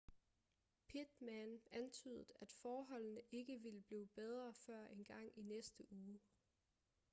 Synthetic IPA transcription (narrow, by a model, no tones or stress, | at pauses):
pʰid̥mænænt͡sʰyːð̞ˠð̩ˠæd̥fɒːɦɒ̽l̰nəʔe̝ɡ̥əʋiləb̥liːb̥eð̞ˠʁɐfɶɐ̰ʔe̝nɡ̥ɑ̈ŋ̰inesd̥əʔuː